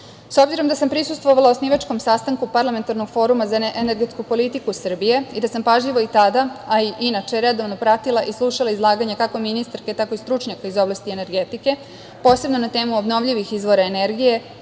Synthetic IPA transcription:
so̞bziɾo̞md̪asampɾisust̪ʋo̞ʋalaosniʋat͡ʃko̞msast̪aŋkupaɾlˠame̞nt̪aɾnoɡ̥fo̞ɾumazaʔeneɾɡe̞t̪skupo̞lit̪ikusr̩bijeid̪asampaʒʎiʋo̞it̪ad̪aaiʔinat͡ʃe̞ɾed̪o̞ʋno̞pɾat̪ilˠaʔislˠuʃalˠaizlˠaːɡaɲekako̞minist̪aɾke̞t̪ako̞ist̪ɾut͡ʃɲakaizo̞blˠast̪iene̞ɾɡe̞t̪ike̞ | po̞ːse̞bno̞nat̪e̞ːmuobno̞ʋʎiʋixizʋo̞ɾaeneɾɡije̞

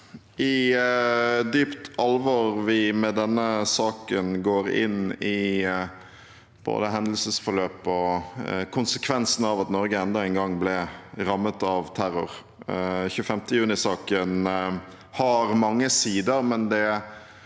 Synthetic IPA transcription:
ɪ | d̪yːpt̪ʰɑlʋɔɾʋɪmɛd̪ɛnːəsɑːkənɡoːɾɪ̰nɪ | b̥o̰ːd̪əɦɛnd̪əl̩səsfɔɾløːpɔkʰʊnsəkʰʋɛnsn̩ɑʋɑt̪nɔɾɡəɛnd̪ɑɛɪnɡɑŋblɛɾɑmːət̪ɑʋt̪ʰæɾʊɾ | çʉːəfɛmt̪əjʉːnɪsɑːkən | hɑɾmɑŋːəsiːd̪əɾmɛnd̪ɛ

